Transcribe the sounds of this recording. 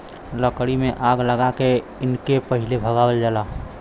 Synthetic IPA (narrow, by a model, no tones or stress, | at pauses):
ləkɽimẽʔaːɡləɡake | ɪnkepəɦɪlebʱəɡaːwəld͡ʒəlaː